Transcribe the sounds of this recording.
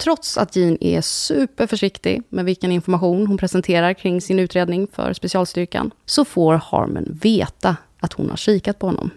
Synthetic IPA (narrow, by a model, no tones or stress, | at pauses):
t̪ʰɾɔt̪sa̰t̪jiːnɛ̰sʉ̟ːpəɾfœʂɪkt̪ɪ̰mɛd̪vɪlkənɪnfɔɾmaɧuːnɦʊnpʰɾɛsɛnt̪ʰeːɾaɾkʰɾɪŋːsɪnʉ̟ːt̪ɾeːd̪nɪŋfœ̰ɾspɛsɪɑːlst̪ʏɾka̰nsɔfoːɾhɑ̰ːɾmʉ̰nveːt̪a | at̪hʊ̰nha̰ʂiːkat̪̚pʰɔhɔnːɔ̰m